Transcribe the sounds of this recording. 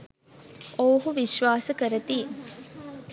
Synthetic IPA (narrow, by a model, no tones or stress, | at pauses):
ʔoːɦuʋiʃʋaːsəkəɾɐt̪iː